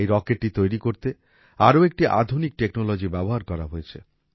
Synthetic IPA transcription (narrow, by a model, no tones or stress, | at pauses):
jɾɔkeʈ̚ːit̪ojɾikoɾt̪e | aɾoek̚ʈiʔa̰d̪ʱunik̚ʈeknolod͡ʑibɛboɦaɾkɔɾa̰ɦojet͡ɕʰe